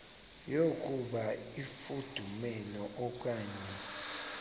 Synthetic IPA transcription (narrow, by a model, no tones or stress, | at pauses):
jokʼuɓaifud̥ʱumɛlɔʔɔk̬ʼaːɲɛ